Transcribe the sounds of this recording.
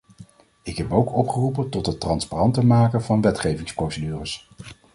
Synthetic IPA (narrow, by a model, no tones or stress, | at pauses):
ɪkɦɛpowkʰɔpχərupəntɔtɦətrɑnsparɑntəmaːkəvɑnʋɛtχejvɪŋsprowsədyːrəs